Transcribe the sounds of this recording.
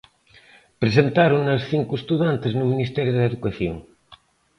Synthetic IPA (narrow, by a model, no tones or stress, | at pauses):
pɾesent̪aɾoŋɐsθiŋkuest̪uðant̪eznuminist̪ɛɾjuðeðukaθjoŋ